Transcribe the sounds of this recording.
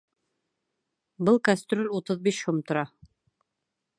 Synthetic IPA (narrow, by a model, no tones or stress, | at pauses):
bɤlˠkasʲt̪rʲolʲut̪ɤðbiʃhomt̪ŏɾɑ